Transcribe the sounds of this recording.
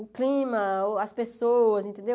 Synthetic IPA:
ʊklĩmɐoɐspesoɐzẽnt̪ẽnd̪e

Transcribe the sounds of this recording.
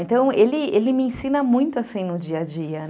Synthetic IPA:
ẽnt̪ɐ̃w̃elɪelɪmɪẽsĩnɐmũj̃t̪ʊasĩnʊd͡ʒiɐd͡ʒiɐ

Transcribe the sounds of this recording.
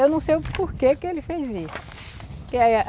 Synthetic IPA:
ewnɐ̃w̃sejʊpoɾkekɪelɪfejzisʊ̥ | ke

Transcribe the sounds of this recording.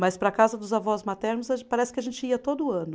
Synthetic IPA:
mɐspɾɐkazɐd̪ʊzavɔzmat̪ɛɾnʊzapaɾɛsɪ̥kʲɪaʒẽnt͡ʃɪiɐt̪od̪ʊɐ̃nʊ

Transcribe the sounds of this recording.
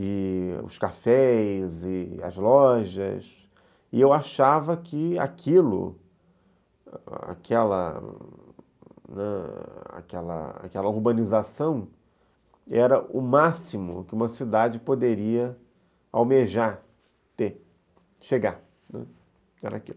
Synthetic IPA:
ɪʊ̰skafɛzɪɐ̰zlɔʒɐ̰s | ɪewaʃavɐkɪa̰kʰilʊ̰ | a̰kʰɛlɐ̰ | nɛa̰kɛlɐ̰a̰kɛlɐuɾbɐ̃nizasɐ̃w̃ | ɛɾɐʊmasimʊ̰kɪũmɐsid̪ad͡ʒɪpod̪eɾiɐ | awmeʒa | t̪e | ʃeɡa | nɛ̰ | ɛɾakil

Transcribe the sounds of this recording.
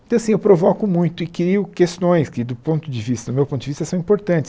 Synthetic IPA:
t̪ɐ̃ɐsĩewpɾovɔkʊmũj̃t̪ʊɪkɾiʊkest̪õj̃skɪd̪ʊpõnt̪ʊd͡ʒɪvist̪ɐd̪ʊmewpõt̪ʊd͡ʒɪvist̪ɐsɐ̃w̃ĩmpoɾt̪ɐ̃t͡ʃɪ̥s

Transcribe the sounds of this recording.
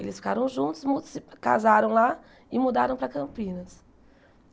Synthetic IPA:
elɪsfi̥kaɾɐ̃w̃ʒũnt̪ʊ̥zmut̪ʊsɪka̰zaɾɐ̃w̃la | ɪmud̪aɾɐ̃w̃pɾɐkɐ̃mpĩnɐs

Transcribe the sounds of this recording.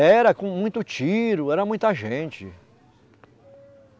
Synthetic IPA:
ɛɾɐkõmũj̃t̪ʊt͡ʃiɾʊɛɾɐmũj̃t̪ɐʒẽnt͡ʃɪ̰

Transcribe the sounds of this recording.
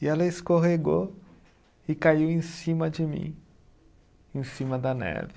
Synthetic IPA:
iɛlɐeskoɦeɡo | ɪkaiwẽsĩmɐd͡ʒɪmḭ̃ | ẽsĩmɐd̪ɐnɛ̰ɾv

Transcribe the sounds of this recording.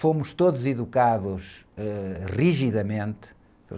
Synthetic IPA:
fomʊʃt̪oðuziðukaðuʃɛʁiʒiðɐmẽnt̪

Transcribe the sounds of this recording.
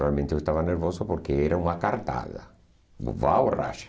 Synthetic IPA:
ɾalmẽnt̪eewest̪avaneɾvosʊpoɾkeɛɾauŋakaɾt̪a̰ða̰ | vawra̰ʃḁ

